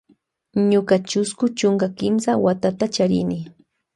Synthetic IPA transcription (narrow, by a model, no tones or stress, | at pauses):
ɲʊkat͡ʃʊskʊt͡ʃʊŋkakɪmsawat̪at̪at͡ʃaɾɪ̰nɪ